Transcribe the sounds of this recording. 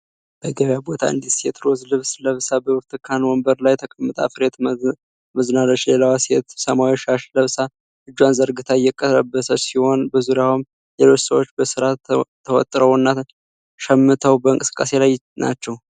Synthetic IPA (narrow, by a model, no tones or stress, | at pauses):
b̥əɡəβjabo̞t̪ʰa̰ɨ̰nd̪isɛt̪ʰɾozlɨβsləβsabəwɨɾt̪ʰɨkʰanwɔmbəɾlajɛt̪ʰəkʼəmːɨt̪ʼa̰fɨɾe̞t̪ | məznalət͡ʃːlelawaset̪səmawiʃaʃləβsa | ʔɨd͡ʒːwanzəɾɡɨt̪ʰajɛkʼːət̪ɾəbːəsəsiho̞nbɨzuɾjawɨm | lelo̞t͡ʃːsəwot͡ʃːbəsɨɾaː | əwɔ̰t̪ʼɾəwnːa | ʃɛmːɨt̪ʰəwbəɨŋkʼɨsɨ̥kʼːase̞laj | na̰t͡ʃːɛw